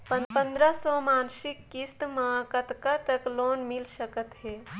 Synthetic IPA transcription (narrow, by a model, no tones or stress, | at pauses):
pəpənd̪ɾəsɔmaːnsikːist̪mãkət̪kat̪əklonmilsəkət̪ɦeː